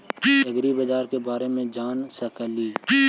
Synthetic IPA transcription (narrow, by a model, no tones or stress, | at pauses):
ɐɡɾibəd͡ʒaːɾkebaːɾemẽd͡ʒaːnsəkəliː